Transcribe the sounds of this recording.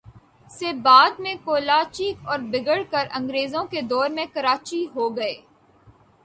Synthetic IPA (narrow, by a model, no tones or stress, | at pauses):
sebaːd̪̚mẽkoːlaːt͡ʃikɔːɾbɪɡəɽkɐɾɐ̃ŋɡɾeːzõked̪ɔːɾmẽkɐɾaːt͡ʃiɦoːɡɐeː